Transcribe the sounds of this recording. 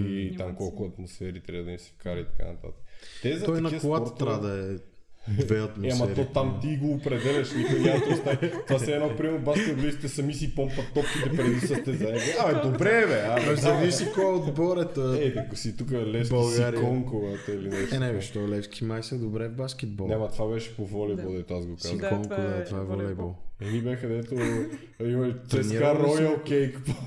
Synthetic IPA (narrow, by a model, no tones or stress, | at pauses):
it̪amkɔlˠkʊɐt̪mosfɛɾit̪ɾʲabəd̪ɐmisɛ̥fkaɾɐit̪ɐ̥ka̰nɐt̪a̰t̪əkət̪ɛzɐɔjnɐkoɡat̪ət̪t̪ɾad̪ɐɛ | vɛɐt̪mosamɐɛɾɔt̪amt̪iɡoːpɾɛd̪ɛlɛʃnikojnat̪ɔst̪at̪ovasɛɛnɔpɾimɛbaʃsɛblizi̥t̪ɛsɐmisipompɐt̪ɔpkit̪ɛpɾɛd̪isɐt̪ɛzɐɛt̪ɛaɛd̪obɾɛvɛazɐvissikoɛod̪bɔɾɛt̪əɛd̪ɐkosit̪ukəlɛfsbɐlˠaɾikːɔŋkoɡat̪ɛilinɛsnɛvʃt̪ɔlɛfskʲimajsəd̪obɾɛvbaskɛt̪̚bɔlˠnɛmɐt̪vabɛʃɛ̥povɔlibolˠd̪ɛt̪oazɡoksazkɔŋtkod̪at̪vaɛvɔlibɔlˠɛnibɛxɐd̪ɛt̪o | imɐt͡ʃ̪ɛnaɾɔjɐlˠkɛjkpo